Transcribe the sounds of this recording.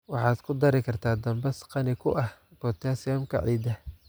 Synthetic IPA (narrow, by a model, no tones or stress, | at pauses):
wɑħɑːd̪kʰʊd̪ɐɾɪkʰɐrt̪ʰaːd̪ɐmbɛsqɑnɪkʰʊʔɐhb̥ɔt̪ʰaːsɪjaːmkʰɐ̰ʕḭːd̪ɐ